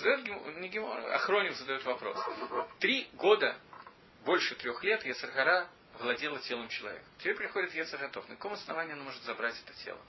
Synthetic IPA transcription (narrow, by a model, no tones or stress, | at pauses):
zəd̪ɐjot̪ɡʲɪmnʲɪɡʲɪmo̰ɐ̰xɾo̞nʲɪfzəd̪ɐjot̪vɐpɾo̞̰st̪ɾʲiɡo̞d̪ə | bo̞lʲʂɨt̪ɾʲo̞xlʲe̞t̪jɛt̪sərɣɐɾa | vlˠɐdʲelˠətʲelˠəmt͡ɕɪlˠɐ̰vʲḛkəmtʲɪ̥pʲeɾʲpɾʲɪxo̞dʲɪt̪jɛt̪sərɣɐt̪o̞fnəkɐko̞mɐsnɐvanʲɪːɐnomoʐɨt̪zɐbɾatʲɛ̥t̪ə̥tʲḛlˠə̰